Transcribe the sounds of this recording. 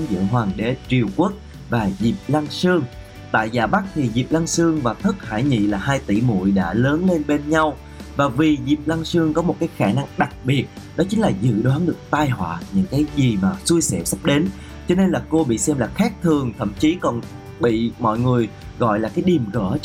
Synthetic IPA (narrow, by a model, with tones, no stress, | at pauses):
ŋzɨ̰˧˨ɦwaː˨˩ŋɗe˨˦t͡ɕi˨˩əwku˦˥ək̚ | vaː˨˩zi˨˩p̚la˧nsɨ˧əŋ | t̪a̰ː˧˨jzaː˨˩ɓa˦˥k̚t̪ʰi˨˩zi˨˩p̚la˧ŋsɨ˧əŋvaː˨˩t̪ʰɨ˦˥k̚ha̰ː˧˩jɲḭ˧˨laː˨˩haː˧jt̪ḭ˧˩mṵ˧˨jɗa̰ː˧˥ləː˨˦nle˧nɓe˧nɲa˧w | vaː˨˩vi˨˩zi˨˩p̚la˧ŋsɨ˧əŋkɔ˨˦mo˨˩t̚kaː˨˦jxaː˧˩na˧ŋɗa˨˩k̚ɓi˨˩ət̚ | ɗɔ˨˦t͡ɕï˨˦ŋ̟laː˨˩zɨ̰˧˨ɗwaː˨˦nɗɨ˨˩ək̚t̪aː˧jɦwa̰ː˧˨ɲɨ̰˧˥ŋkaː˨˦jzi˨˩maː˨˩su˧jsɛ̰˧˨sa˦˥p̚ɗe˨˦n | t͡ɕɔ˧ne˧nlaː˨˩ko˧ɓḭ˧˨sɛ˧mlaː˨˩xaː˦˥k̚t̪ʰɨ˨˩əŋt̪ʰə̰˧˨mt͡ɕi˨˦kɔ˨˩n | ɓḭ˧˨mɔ̰˧˨jŋɨ˨˩əj | ɣɔ̰˧˨jlaː˨˩kaː˨˦jɗi˨˩əmɣə̰˧˩˥